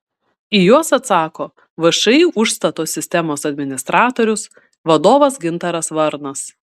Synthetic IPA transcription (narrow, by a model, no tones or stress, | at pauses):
ijuɔsɐt̪sɑːkoː | ʋɐʃɐɪuʊʃst̪ɐt̪oːsʲɪsʲt̪ʲɛmoːsɐd̪ʲmʲɪnʲɪst̪ɾɑːt̪oːɾʲʊs | ʋɐd̪oːʋɐsɡʲɪnt̪ɐɾɐsʋɐɾnɐs